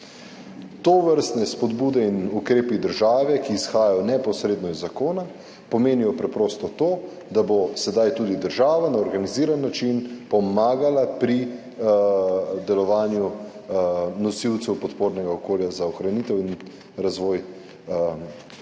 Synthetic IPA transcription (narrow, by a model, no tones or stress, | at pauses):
t̪oʋəɾst̪nɛspɔd̪buːd̪ɛinukɾeːpid̪əɾʒaːʋɛkiːsxaːjajɔnɛpɔsɾeːd̪nɔizːakoːna | pɔmeːnijɔpɾɛpɾoːst̪ɔt̪oː | d̪abosɛd̪ajt̪uːd̪id̪əɾʒaːʋanaɔɾɡaniziːɾanːat͡ʃinpɔmaːɡalapɾi | d̪ɛlɔʋaːnju | nɔsiw̪sɛwpɔt̪poːɾnɛɡaɔkoːljazaɔxɾaniːt̪ɛwin | ɾazʋɔːj